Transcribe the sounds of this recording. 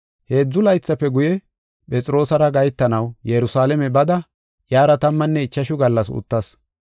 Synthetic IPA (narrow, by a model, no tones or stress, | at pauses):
he̞ːd͡zːʊlɐjt͡sːɐpːɛɡʊjɛ | pʼɛt͡sʼɾo̞ːsɐɾɐɡɐjt̪ːɐnɐwjɛɾʊsaːlɛmɛbɐd̪ɐ | jaːɾɐt̪ɐmːɐnːɛɪt͡ʃːɐʃʊɡɐlːɐsʊ̰t̪ːɐs